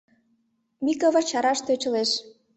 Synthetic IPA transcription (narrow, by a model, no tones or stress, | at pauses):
mikəvə̆rt͡ɕɑɾɑʃt̪øt͡ɕə̆leʃ